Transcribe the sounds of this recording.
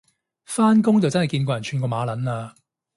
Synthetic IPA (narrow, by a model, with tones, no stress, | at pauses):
faː˥nkʊ˥ŋt͡sɐ˨wt͡sɐ˥nhjkiː˧nkɔː˧jɐ˨˩nt͡ʃʰyː˨˧nkɔː˧maː˨˧lɐ˨˥naː˧